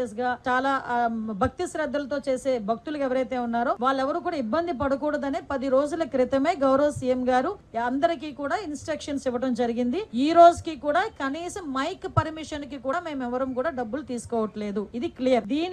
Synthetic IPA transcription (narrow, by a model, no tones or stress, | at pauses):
eːs̬ɡaːt͡ʃaːlaːbʱɐk̚t̪isɾɐd̪ːɐlɐt̪o̞ːt͡ʃe̞ːse̞ːbʱɐk̚t̪ulɐkɛʋɐɾɐjt̪e̞ːunːaːɾoːʋaːɭːɛʋɐɾuːkuːɽaːibːɐnd̪ʱip̬ɐɽukɔːɽɐd̪ɐneːpɐd̪iɾo̞ːd͡ʒulɐkɾit̪ɐme̞ːɡɐwɾɐʋɐsijemɡaːɾuɐnd̪ɐɾikiːkuːɽaːinsʈɾɐkʂɐnsiʋɐʈɐmd͡ʒɐɾiɡind̪iiːɾo̞ːd͡ʒukiːkuːɽaːkɐniːsɐmːɐjkpɐɾmiʂɐnkikuːaːme̞ːmɛʋɐɾɐmkuːɽaːɖɐbːulut̪iːsu̥kɔːʋɐʈle̞ːd̪uid̪iklijɐɾd̪iːn